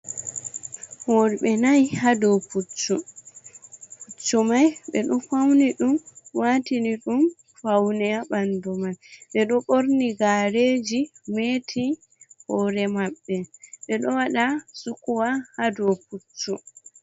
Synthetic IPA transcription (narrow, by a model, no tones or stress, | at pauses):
hoːɾiɓɛnajhadɔput͡ʃːɔ | put͡ʃːɔmajɓɛ̰ɗɔfawniɗumwatiniɗum | fawnɛaɓandɔmalɓɛɗɔɓoɾniɡaɾed͡ʒimetʰi | hɔːɾɛmaɓːɛɓɛɗɔwaɗasukuwahadɔput͡ʃːɔ